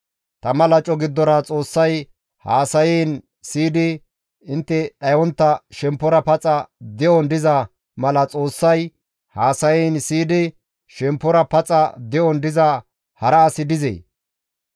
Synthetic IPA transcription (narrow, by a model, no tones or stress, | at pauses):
t̪ɐmɐlɐt͡ʃʼɔɡɪd̪ːɔɾɐt͡sʼo̞ːsːɐj | haːsɐjɛːn | siːd̪ɪ | ɪnt̪ːɛᶑɐjwɔnt̪ːɐʃɛmpːɔɾɐpɐt͡sʼɐd̪ɛʔɔnd̪ɪzɐ | mɐlɐt͡sʼoːsːɐj | haːsɐjɛːnsiːd̪ɪ | ʃɛmpːɔɾɐpɐt͡sʼɐd̪ɛʔɔnd̪ɪzɐ | hɐɾɐːsɪd̪ɪzḛː